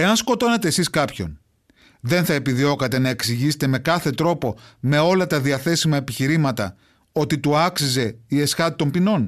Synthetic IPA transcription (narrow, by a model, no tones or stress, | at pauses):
e̞ɐnsko̞t̪o̞nɐt̪e̞ːsiskɐpço̞̰n | ðe̞nθɐepiðio̞kɐt̪e̞nɐe̞ksiʝise̥t̪e̞me̞kɐθe̞t̪ɾo̞po̞me̞o̞lɐt̪ɐðiɐθe̞simɐepiçiɾimɐt̪ɐ̰ | o̞t̪it̪uɐksize̞ie̞sxɐt̪it̪o̞mpino̞n